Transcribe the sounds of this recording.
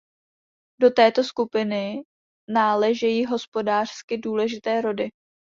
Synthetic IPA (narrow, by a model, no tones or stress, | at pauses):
do̞t̪ɛːt̪o̞skupɪnɪ | naːlɛʒɛjiːɦo̞spo̞daːr̝̥skɪduːlɛʒɪt̪ɛːɾo̞dɪ